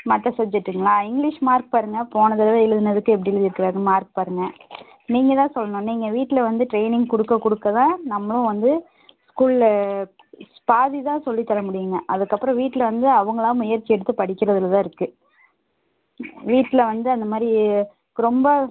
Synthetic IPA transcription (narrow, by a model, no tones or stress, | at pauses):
mɐt̪ːɐsɐb̚d͡ʒɛʈːɯŋɡɐɭaːɪŋɡlɪʂmaːɾk̚paːɾɯŋɡɐpoːnɐðɐllɛɻɯðɯnɐðɯkːɯ̃ɛp̬ːɐɽɪlɯðɪɾɯkːɪɾaːɾɯ̃maːɾk̚paːɾɯŋɡɐ | niːŋɡɐt̪ãːsɔlːɐnõːniːŋɡɐʋiːʈːɪlɐʋɐnd̪ɯʈɾeɪnɪŋɡkʊɽɯkːɐkʊɽɯkːɐt̪ãːnɐmːɐɭʊ̃ʋɐnd̪ɯ | skuːl | paːðit̪ãːsɔlːit̪ːɐlɐmʊɽɪjɯŋɡɐʔɐðɯkːɐpːɾɐ̃ʋiːʈːɪlʋɐnd̪ɯɐʋɐŋɡɐɭaːmʊjɐɾt͡ʃːɪɛɽɯt̪ːɯpɐɽɪkːɪɾɐðɯlt̪ãːɪɾɯkːɯ | ʋiːʈːɪlɐʋɐnd̪ɯɐnd̪ɐmaːd̪ɾi | ɾɔmbɐ